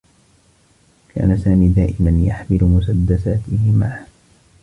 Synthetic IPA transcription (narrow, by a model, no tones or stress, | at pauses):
kʰa̰ːnasaːmiːd̪aːʔɪmanjaħmɪlʊmʊsad̪ːasaːt̪ɪhɪmaː